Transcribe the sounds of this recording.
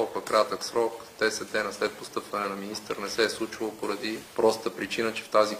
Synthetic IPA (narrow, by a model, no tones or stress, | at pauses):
pɐkɾat̪əksɾɔkd̪̥ɛsɛt̪ɛnəslɛt̪̚post̪ɤpvɐnɛnɐminist̪ə̰ɾnɛsɛslˠut͡ʃilˠopoɾɐd̪ipɾɔst̪əpɾit͡ʃinət͡ʃɛ̥ft̪azi